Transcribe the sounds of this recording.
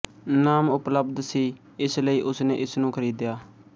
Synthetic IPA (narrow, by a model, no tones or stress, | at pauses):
naːmʊpləbd̪siː | ɪsləiːʔʊsnḛːʔɪsnũːkʰəɾiːd̪jaː